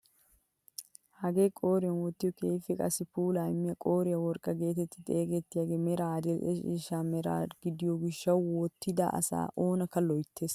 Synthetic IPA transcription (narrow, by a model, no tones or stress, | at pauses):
hɐɡe̞ːkʼo̞ːɾɪjɐnwɔt̪ːɪjɔkʰeːfɪkʼɐsɪpuːlajɪmːɪjɐkʼo̞ːɾɪjɐwɔɾkʼːɐɡe̞ːt̪ɛt̪ːɪt̪ʼe̞ːɡɛt̪ːɪjaːɡeːmɛɾaːd̪ɛlʔɛʃḭːʃaːmɛɾa̰ːɡɪd̪ɪjɔɡɪʃːɐwwɔt̪ːɪd̪a̰ʔɐ̰sa̰ːʔoːnɐkːɐlɔjt̪ʰːe̞ːs